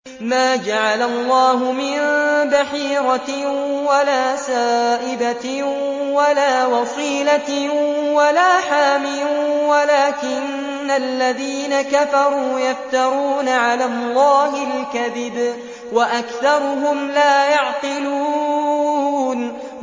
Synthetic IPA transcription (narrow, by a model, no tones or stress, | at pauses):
maːd͡ʒaʕalalˤːɑːɦʊmɪnbaħiːɾˤɑwalaːsaːʔɪba | walaːwɑsˤiːla | walaːħaːmɪwalaːkɪnː | alːaðiːnakafɑɾˤuːjaft̪ɑɾˤuːnaʕalaːlˤːɑːɦɪlkaðɪb | waʔakθɑɾˤʊɦʊmlaːjɑʕt̪ɪluː | n